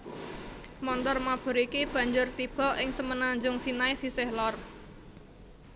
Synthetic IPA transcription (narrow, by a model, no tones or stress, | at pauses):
mɔnt̪ɔrmab̥ɔ̤ɾikib̥ä̤ɲd͡ʒʊrt̪ib̥ɔ̤ʔɪŋsəmənaɲd͡ʒʊŋsinaisisɪhlɔr